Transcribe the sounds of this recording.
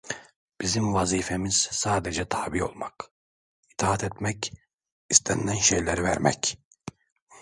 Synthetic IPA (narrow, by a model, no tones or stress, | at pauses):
b̥izimvaziːfemiz̥saːd̪ed͡ʒɛt̪ʰaːbijo̞̰lˠmak | i̥t̪ʰaːat̪ʰɛt̪mɛc | ist̪ʰænd̪ænʃejlʲæɾivæ̰ɾmɛ̰c